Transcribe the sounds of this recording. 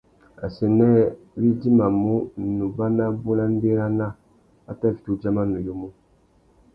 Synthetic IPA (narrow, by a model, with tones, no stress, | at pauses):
a̰˨sɛ˨nɛ˦ | wi˦di˦ma˨mu˦nu˨ba˦na˦bu˦na˦n˦be˦ɾa˦na˦˨ | a˦ta˦˨vi˨tu˦d͡ʒa˦ma˦nu˨jo˦mu˦